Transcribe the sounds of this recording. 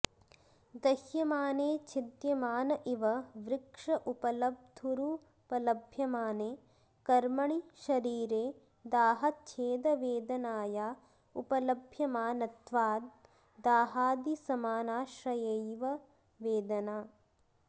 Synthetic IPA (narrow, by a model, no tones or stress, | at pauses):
d̪ɐhjɐmaːneːt͡ʃʰid̪jɐmaːnɐʔiʋɐʋɾɪkʂɐʔupɐlɐb̚d̪ʱuɾu | pɐlɐbʱjɐmaːneː | kɐɾmɐɳiʃɐɾiːɾeː | d̪aːɦɐt͡ʃʰeːd̪ɐʋeːd̪ɐnaːjaː | upɐlɐbʱjɐmaːnɐt̪ʋaːd̪ | d̪aːɦaːd̪isɐmaːnaːʃɾɐjɐjʋɐ | ʋeːd̪ɐnaː